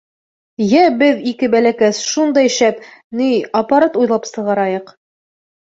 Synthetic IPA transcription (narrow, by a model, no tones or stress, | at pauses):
jæbɘðikɘbælækæsʃund̪ɑjʃæpniɑpaɾat̪ujlˠɑpsɤ̆ʁɑɾɑjɤq